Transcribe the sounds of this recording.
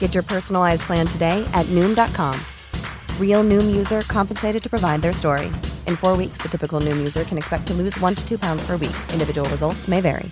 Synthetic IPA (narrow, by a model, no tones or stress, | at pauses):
ɡ̥ɛt͡ʃə˞pʰɜ˞sn̩l̩ˠaɪzpʰl̥æ̃ntʰɨdeɪʔɨtⁿnʉ̃mdɑt̚kʰɑ̃m | ɹilˠnʉ̃mjʉzə˞kʰɑ̃mpn̩seɪɾɨd̚tʰɨ̥pʰɹ̥əvaɪd̪̚ðə˞stɔɹḭʔɨ̃nfɔɹwiksðɨtʰɪpɨkl̩ˠnʉ̃mjʉzə˞kʰɨ̃nɨkspɛk̚tʰɨlʉzwʌ̃ntʰɨtʰʉpʰãʊ̃ndz̥pʰə˞wḭkʔɪ̃ndɨvɪd͡ʒəwl̩ˠɹəzʌlˠtsmeɪvɛ̰ɹḭ